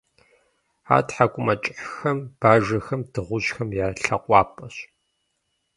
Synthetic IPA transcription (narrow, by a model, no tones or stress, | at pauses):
a̰ːtħakʷʼʊmɐt͡ʃʼɪħxɐmb̥aːʒɐxɐmdɨʁʷʊʑxɐmjaːɬɐqʷʼɑːpʼɐɕ